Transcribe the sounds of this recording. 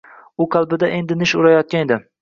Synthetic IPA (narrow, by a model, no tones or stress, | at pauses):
ʊqʰɑlˠbɪd̪aʔe̞nd̪ɪnɪʃʊɾajɒt̪̚kʲaned̪ɪ